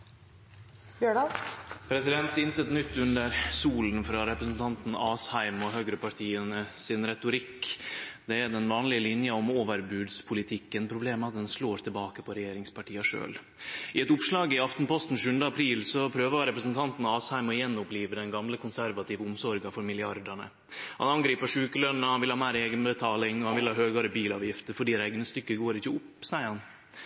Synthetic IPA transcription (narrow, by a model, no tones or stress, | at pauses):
bjøɖɑpʰɾɛsɪd̪ɛnt̪ɪnt̪ət̪nʏt̪ːʉnd̪əɾsuːln̩fɾɑɾɛpɾəsn̩t̪ʰɑnt̪n̩ɑːshæɪmɔɦøːɡɾəpʰɑʈʰiːənəsɪnɾɛt̪ʊɾɪkːd̪ɛæd̪ɛnʋɑːnlɪəlɪnjəɔmoːʋəɾbʉːd̪spʰʊlɪt̪ʰɪkːənpʰɾʊbleːməɑt̪̚d̪ɛnsloːɾt̪ʰɪlbɑːkəpʰɔɾɛjeːɾɪŋspɑʈʰiːəʂø̰ːl | ʔɪɛt̪ʊpʂlɑːɡɪɑft̪n̩pɔst̪n̩ʃʉːənd̪əɑpʰɾiːlsɔpʰɾøːʋəɑɾɛpɾəsnt̪ʰɑnt̪nɑɑshæɪmɔjɛnːʊpliːʋəd̪ɛnɡɑmləkʰʊnsæɾʋɑt̪iːʋəʊmsɔɾɡɑfɔɾmɪlɪɑɾd̪əɳə̰ | hɑ̰nɑnɡɾiːpəʂʉːkəlœnnəhɑnʋɪlhɑːmæɪɾeːɡənbət̪ʰɑːlɪŋɔhɑnʋɪlhɑːɦøːɡɑːɾəbiːlɑːʋjɪft̪əɾfɔɖiːd̪æɪɡnəst̪ʏkːəɡoːɾɪçəʊpːsæɪəɾhɑn